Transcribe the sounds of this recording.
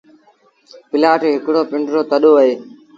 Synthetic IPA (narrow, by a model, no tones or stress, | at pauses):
pɪlaːʈeːɦɪkɽoːpɪ̃ɳɖɾoːt̪əɗoːəɦeː